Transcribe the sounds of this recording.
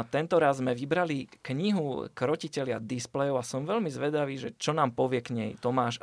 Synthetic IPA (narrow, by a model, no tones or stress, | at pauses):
t̪ɛnt̪ɔɾazzmɛʋibɾalikɲiɦukɾɔcicɛlɪa̰d̪isplɛjɔʊasɔmʋɛlmizʋɛd̪aʋiːʒɛt͡ʃɔnaːmpɔʋɪɛkɲɛ̰jt̪ɔmaːʃ